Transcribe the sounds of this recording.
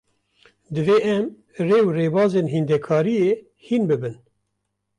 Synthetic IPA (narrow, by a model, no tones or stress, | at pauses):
d̪ɨveːʔɛm | reːwreːbɑːzeːnɦind̪ɛkʰɑːɾijeː | hiːnbɨbɨn